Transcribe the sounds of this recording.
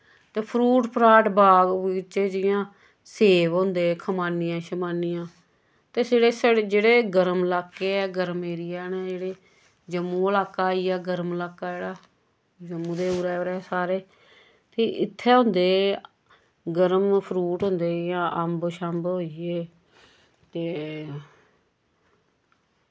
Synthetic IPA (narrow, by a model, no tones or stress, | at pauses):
t̪eːpʰɾuːʈpʰɾaːʈbaːɡːt͡ʃeːd͡ʒɪjãː | seːʋɦõːnd̪eːkʰəmaːnɪjãːʃəmaːnɪjãː | t̪eːseːɽeːsəɽd͡ʒeːɽeːɡəɾəmlaːkːeːɛːɡəɾəmeːɾɪjaːnɛ̃ːd͡ʒeːɽeː | d͡ʒəmːũːəlaːkːaːiːɛːɡəɾməlaːkːaːeːɽaː | d͡ʒəmːũːd̪eːuːɾɛːoːɾɛːsaːɾeː | t̪eːʔɪt̪ʰːɛːɦõnd̪eː | ɡəɾəmpʰɾuːʈɦõːnd̪eːjãːʔəmbʃəmbɦoːieː | t̪eː